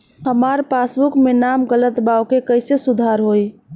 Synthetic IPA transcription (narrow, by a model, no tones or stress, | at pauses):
ɦəmaɾpasbukmenamɡələt̪bawkekəɪsesud̪ʱaɾɦoj